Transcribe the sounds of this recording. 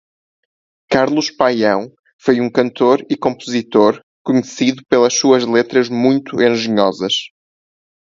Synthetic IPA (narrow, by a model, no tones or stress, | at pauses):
kaɾlˠuʃpajɐ̃w̃ | fojũŋkɐ̃nt̪oɾikõmpuzit̪oɾ | kuɲɨsiðupelˠɐʃsuɐʒlˠet̪ɾɐʒmũj̃t̪uẽʒɨɲɔzɐʃ